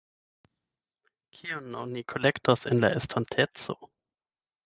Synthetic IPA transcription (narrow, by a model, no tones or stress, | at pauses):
kʰionːonikʰolektasenla̰estʰantʰet͡so̰